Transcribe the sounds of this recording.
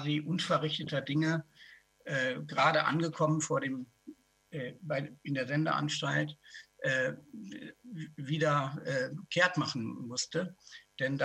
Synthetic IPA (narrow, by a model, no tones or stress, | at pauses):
ziʔʊnfɛɐʁɪçtətɐdɪŋə | ʔɛːɡʁaːdəʔa̰nɡəkʰɔmənfoːɐdeːm | ʔɛːbaɪɪndeːɐzɛndɐ̰ʔa̰nʃtaltʔɛː | viːdɐʔɛːkʰeːɐtmaχn̩mʊstəd̥ɛnda